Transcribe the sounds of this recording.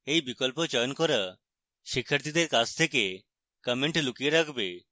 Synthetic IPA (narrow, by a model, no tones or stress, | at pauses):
eibɪkɔlpot͡ʃɔjənkoɾə | ʃɪkʰəɾt̪id̪eɾkast̪ʰeke | kəmẽɳʈlʊkieɾakʰbeː